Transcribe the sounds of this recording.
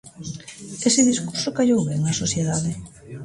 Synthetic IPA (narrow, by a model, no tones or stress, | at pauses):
esɪðiskuɾsokaʎowβɛŋɐsosθjeðaðɪ